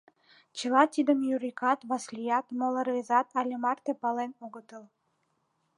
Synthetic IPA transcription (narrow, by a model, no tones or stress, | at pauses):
t͡ɕilɑt̪ʲid̪əmjuɾʲikʰɑt̪vɑslʲijɑt̪molˠərvʲezɑt̪ʰɑlʲemɑrt̪epɑlenoɡət̪əl